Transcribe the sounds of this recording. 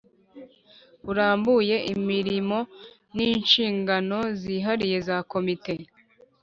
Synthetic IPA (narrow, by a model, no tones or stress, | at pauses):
uɾaːmbuje̞ʔimiɾimo̞ | niːnʃiːŋɡano̞ziːɦaɾije̞zaːko̞mite̞